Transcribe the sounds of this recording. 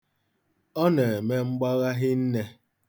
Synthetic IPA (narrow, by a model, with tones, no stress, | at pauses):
ɔ˦ne˨e˨me˦ŋ͡m̩˦ɡ͡ba˦ɣa˦ɦɪ˦n̩˦ne˦